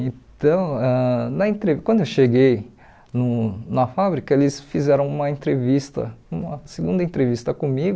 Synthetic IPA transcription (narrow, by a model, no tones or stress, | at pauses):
ẽt̪ɐ̃w̃ɛnɐẽt̪ɾevkwɐ̃nd̪ʊewʃeɡej | nʊnɐfabɾikɐelɪsfizɛɾɐ̃w̃ũmɐẽt̪ɾevist̪ɐ̰ũmɐseɡũnd̪ɐẽnt̪ɾevist̪ɐkõmiɡʊ